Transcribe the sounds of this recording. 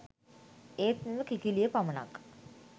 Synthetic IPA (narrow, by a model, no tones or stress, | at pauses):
eːt̪neʋəkikilijəpaməna̰k